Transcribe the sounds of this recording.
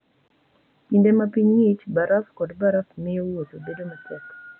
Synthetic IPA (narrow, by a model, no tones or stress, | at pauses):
pindemapiɲŋit͡ʃbaɾafkɔdbaɾafmɪjowotobedomapɔt